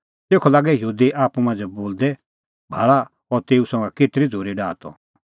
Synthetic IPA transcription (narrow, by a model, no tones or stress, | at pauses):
t̪eːkʰɔlaːɡɛjəɦuːd̪iʔaːpumãːnd͡zɛboːld̪ɛ | bʱaːɭa | ɔɾt̪eːusɔ̃ŋɡakɪʈɾid͡zʱoːɾiɖaːt̪ɔ̰